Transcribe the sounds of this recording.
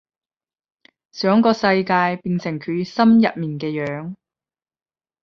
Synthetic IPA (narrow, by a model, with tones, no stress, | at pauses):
sœː˨˥ŋkɔː˧sɐ˧jkaː˧jpiː˨˧nsɪ˨˩ŋkʰyː˨˥sɐ˥mjɐ˨t̚miː˨nkɛː˧jœː˨˥ŋ